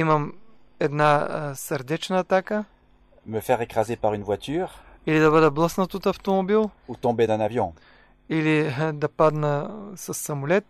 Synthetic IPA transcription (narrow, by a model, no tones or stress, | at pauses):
iməm | ɛd̪nasɐɾd̪ɛt͡ʃnəːt̪akə | məfɛʁekχazepaʁynvwat̪yːʁilid̪ɐβəd̪ɛblˠəsnət̪ot̪ɐft̪omobilˠut̪ɔ̃bed̪ɛ̃navjɔ̰̃ | ilid̪ɐpad̪nəsɐsːɐmʊlɛt̪̚